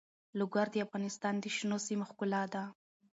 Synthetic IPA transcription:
lʊɡaɾd̪əafɣɑnɪst̪ɑnd̪əʃnosimaxkʊlɑd̪a

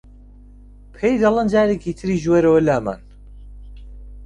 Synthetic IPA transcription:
pʰejd̪ɐlˠɐnd͡ʒaːɾeːkʰiːt̪ʰɨɾiːʒweɾɐwɐlaːma̰ːn

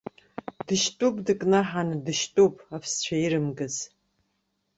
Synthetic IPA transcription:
dɨʃtʼupʼdɨkʼnaħandɨʃtʼupʼapʰst͡ɕʷʰaiɾɨmɡɨz

